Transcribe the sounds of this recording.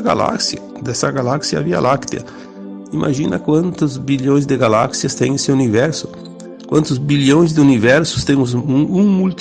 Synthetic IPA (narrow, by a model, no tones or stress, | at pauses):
ɡa̰la̰ksiɐ | d̪ɛsɐɡalaksiɐ̰via̰lakt̪iɐ̰ | imʔa̰ʒĩnɐ̰kwɐ̃nt̪ʊzbiʎõj̃zd̪ɪɡalaksiɐst̪ẽj̃esɪunivɛɾsʊ̥ | kwɐ̃nt̪ʊzbiʎõj̃zd̪ɪunivɛɾsʊ̥st̪ẽmʊzũmult̪